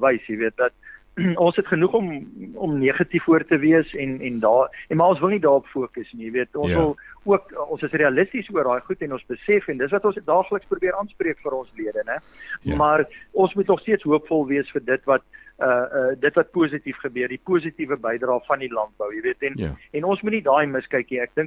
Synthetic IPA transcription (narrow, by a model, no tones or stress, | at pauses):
vəjsjəviət̚dɐt̚ | ɔ̃nsɦətχənuχɔmɔ̰mniːχɐtifuərtəviəsɛnɛndɑːmɐɔ̃nsvəlˠnidɑːɾɔpfuəkəsnijəviətɔ̃nsvəlˠuəkɔ̃nsəsriɐləstisuərdɑːjχutɛnɔ̃nsbəsɛfɛndətsvɐtɔ̃nsdɑːχləksprubiəɾʔɑːnspriəkfəɾɔ̃nsliədənɛ | mɐrɔ̃nsmutnɔχstiətsɦuəpfɔlˠviəsfərdətvɐt̚əədətvɐt̚puəsitifχəbøərdipuəsitivəbɛjdrɑːfɐndilɐnt̚bəwjəviətɛnɛnɔnsmutnidɑːməskəjkniæk̚dəŋk